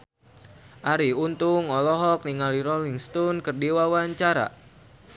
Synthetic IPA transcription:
ʔaɾiunt̪uŋɔlɔɦɔk̚niŋaliɾɔliŋst̪ɔnkɨrdiwawaɲt͡ʃaɾa̰

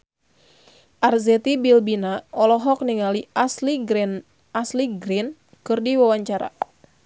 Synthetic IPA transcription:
ʔarzɛt̪ibilbinaɔlɔɦɔk̚niŋaliasliɡ | asliɡɾin | kɨrdiwawaɲt͡ʃaɾa̰

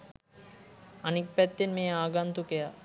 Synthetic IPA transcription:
anik̚pɛt̪ːenmeaːɡant̪ukeja

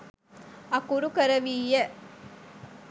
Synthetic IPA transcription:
ɐkuɾukəɾɐʋiːje

